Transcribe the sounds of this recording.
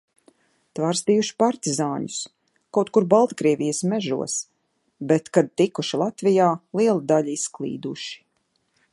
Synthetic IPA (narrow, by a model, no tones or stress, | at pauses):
t̪vaːɾst̪ijuʃi̥paɾt̪izaːɲu̥s | kawt̪kuɾbalˠt̪kɾiɛvʲijəsmɛʒṵɔs | bɛt̪kad̪̚t̪ikuʃilˠat̪vijaːlˠiɛlˠad̪aʎisklˠḭːd̪uʃi̥